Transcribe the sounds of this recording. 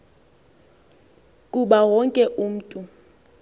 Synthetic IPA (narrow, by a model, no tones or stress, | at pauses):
kʼuɓawɔŋkʼɛʔuːm̩tʼu